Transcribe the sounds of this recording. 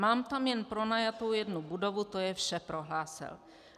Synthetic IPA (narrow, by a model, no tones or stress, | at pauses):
maːmt̪amjɛnpɾo̞najat̪o̞wjɛdnubudo̞vut̪ojɛfʃɛpɾo̞ɦlaːsɪ̰l